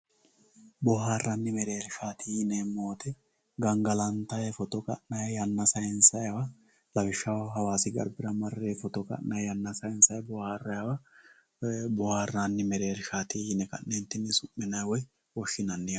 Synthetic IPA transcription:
bɔhaːrːɐnːɪmɛɾeːɾʃaːt̪ijɪnemoːt̪ɛ | ɡɐŋɡɐlɐnt̪ɐjɛfɔt̪ɔkʼɐ̰ʔnɐjjɐnːɐsɐjɛnsɐjɐwɐ | lɐfɪʃːɐwɦɐwaːsɪɡɐ̰ɾbɪɾɐmɐrːefɔt̪ɔkʼɐ̰ʔnɐjjɐnːɐsɐjɪnsɐjɛbɔhaːrːɐjɐwɐ | bɔhaːrːanːɪmɛɾeːɾʃaːt̪ijɪnɛkɐ̰nːent̪ːɪnːɪsʊmːɪnɐjwɔj | wɔʃːɪnɐnːɪjɐ

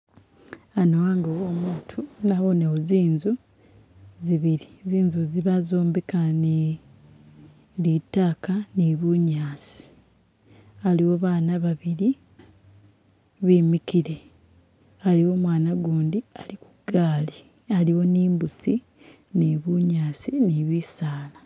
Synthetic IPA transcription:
anowaːŋɡowomuːtʰunaβo̞neoziːnzu | ziβiɾiziːnzuziβazo̞ːmbekani | litaːkaniβuɲaːsi̥ | aliwoβaːnaβaβiɾi | βiːmikiɾe̞ | aliwo̞mwaːnaɡuːndialiku̥ɡ̥aːli | aliwo̞niːmbusi | niβuɲaːsiniβisaːla

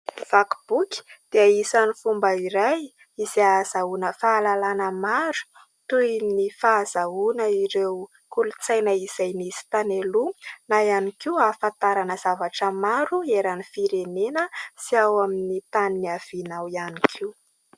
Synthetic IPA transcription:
v̥akb̥uki̥d̪̥eaisanifumbəiɾaj | iz̥iaz̥aunəfaːlalanəmaɾu̥ | t̪ujnifaːzaunəiɾew | kulut͡sajnəiz̥ajniz̥i̥t̪anelunajanikiuafant̪aɾanəz̥avaʈ͡ʂəmaɾueɾanifiɾenenəsiawaminit̪aniniav̥inawianikʰiu

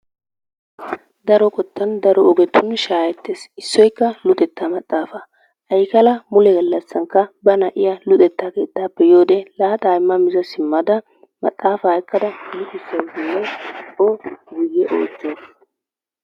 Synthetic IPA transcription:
d̪ɐɾɔkʼɔt̪ːɐnd̪ɐɾɔɔɡɛt̪ːʊnʃaːjɛt̪ːeːsɪsːɔjkːɐlʊt̪ʼɛt̪ːamɐt̪ʼːaːfɐ | ʔɐjkɐlɐmʊlɛɡɐlːɐsːɐŋkːɐbɐnɐʔɪjɐlʊt̪ʼɛt̪ːaːke̞ːt̪ːaːpːɛjoːd̪ɛlaːt̪ʼaːjɪmːɐmɪzɐsɪmːɐd̪ɐ | mɐ̰t̪ʼːaːfɐːɪkːɐd̪ɐbiːt̪ɪsːɐwdɪnːɛoɡiɡɛʔoːt͡ʃːo

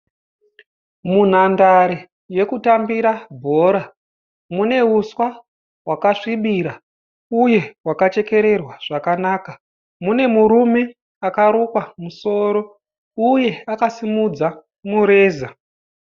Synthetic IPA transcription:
mun̤andaɾe | je̞kutambiɾabʱo̞ɾa | mune̞uswa | wakaʂiɓiɾa | uje̞wakat͡ʃe̞ke̞ɾe̞rwaʐ̥akanaːka | mune̞muɾume̞ | akaɾukwamuso̞ɾo̞ | uje̞akasimud͡za | muɾe̞ːza

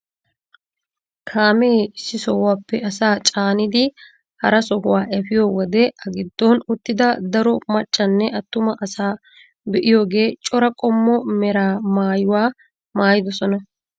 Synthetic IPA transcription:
kʰaːmeːɪsːɪsɔhʊwaːpːɛɐsaːt͡ʃʼaːnɪd̪ɪ | hɐɾɐsɔhʊwaːʔɛfɪjoːwɔd̪ɛʔɐɡɪd̪ːonʊt̪ːɪd̪ɐd̪ɐɾɔmɐt͡ʃʼːɐnːɛʔɐt̪ːʊmɐʔɐsaː | bɛʔɪjoːɡe̞ːt͡ʃʼɔɾɐkʼɔmːɔmɛɾaːmaːjʊwaː | maːjɪd̪ɔsɔnɐ

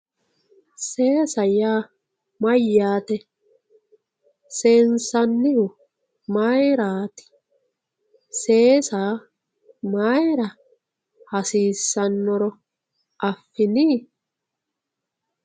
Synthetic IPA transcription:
seːsɐjaː | mɐjːaːt̪ɛ | seːnsɐnːɪhʊ | maːjɾaːt̪ɪ̥ | seːsaː | maːjɾɐ | hɐsiːsːɐnːɔɾɔ | ʔɐfːɪniː

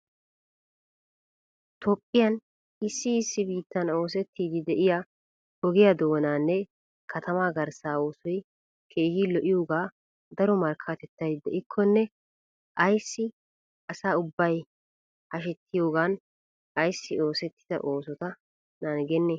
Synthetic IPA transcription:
t̪ʰɔpʼːɪjɐn | ɪsːɪːsːɪbiːt̪ːɐno̞ːs̬ɛt̪ːiːd̪ɪd̪ɛʔɪja | ɔɡɪjɐd̪oːnaːnːɛ | kʰɐt̪ɐmaːɡɐɾsaːo̞ːsɔj | kʰe̞ːhiːlɔʔɪjoːɡaː | d̪ɐɾɔmɐɾkʰɐt̪ɛt̪ːɐjd̪ɛʔɪkʰːɔnːɛ | ʔɐjsːɪ | ɐsaːʊbːɐj | hɐʃɛt̪ʰːɪjo̞ːɡaːn | ɐjsːɪo̞ːsɛt̪ːɪ̥d̪ɐ̰ʔo̞ːsɔt̪ɐ | nanɡɛnːɛ

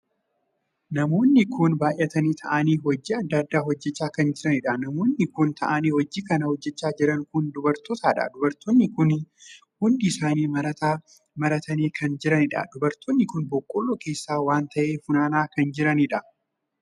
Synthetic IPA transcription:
nɐmo̞ːnːɪkʰʊnbaːʔjʔɐt̪ɐniːt̪ʰɐʔɐniːhɔd͡ʒːiɐd̪ːɐd̪ːaːɦhɔd͡ʒːɛt͡ʃːaːkɐnd͡ʒɪɾɐnɪᶑɐnɐmo̞ːnːɪkʊnt̪ʰɐʔɐniːhɔd͡ʒːikɐnɐhɔd͡ʒːɛt͡ʃːaːd͡ʒɪɾɐŋkʊnd̪ʊbɐɾt̪ɔt̪aːᶑɐ̰d̪ʊbɐɾt̪onːɪkʊn | hʊnd̪ɪɪsaːniːmɐɾɐt̪aː | mɐɾɐt̪ɐniːkʰɐnd͡ʒɪɾɐnɪᶑɐ̰d̪ʊbɐɾt̪ʰoːnːɪkʊnbɔkʼːolːoːke̞ːsːaːwaːnt̪ɐʔeːfʊnaːnaːkɐnd͡ʒɪɾɐnɪᶑɐ

